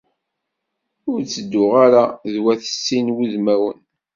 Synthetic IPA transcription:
ʊɾt͡sːəd̪ːʊʁaɾaðwæθə̥sːinwuðmæwə̰n

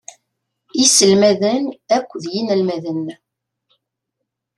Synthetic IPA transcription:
isəlmæðənækʷːðjinəlmæðənː

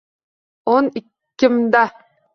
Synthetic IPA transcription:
onɪkːɪmd̪a

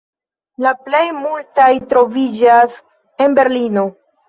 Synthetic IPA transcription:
laple̞jmultajtɾo̞vid͡ʒas | e̞nbe̞ɾlino̞

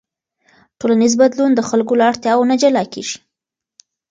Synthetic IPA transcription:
ʈolanizbad̪lund̪əxalkolaaɽt̪jɑwonad͡ʒalɑkḛʒi̥

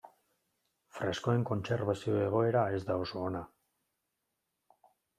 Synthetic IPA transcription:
fɾe̞sko̞e̞ŋko̞nt͡se̞ɾβasio̞e̞ɣ̞o̞e̞ɾae̞zd̪ao̞so̞ːna

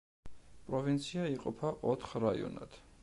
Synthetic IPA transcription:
pʼɾɔvint̪sʰiaiqʼɔpʰaʔɔt̪ʰχɾaḭɔ̰na̰d̪̥

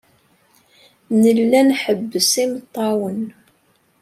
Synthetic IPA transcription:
nəlːænħəbːəsimət̪ˤːɑwən

